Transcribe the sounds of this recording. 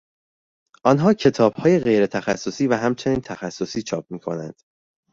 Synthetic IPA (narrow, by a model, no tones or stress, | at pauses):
ʔɒnɦɒːcʰe̞t̪ʰɒːb̥hɒːje̞ɣe̞jɾe̞t̪ʰæxæsːo̞siːvæɦæmt͡ʃʰe̞niːnt̪ʰæxæsːo̞siːt͡ʃʰɒːp̚ʰmiːkʰo̞nænd̪̥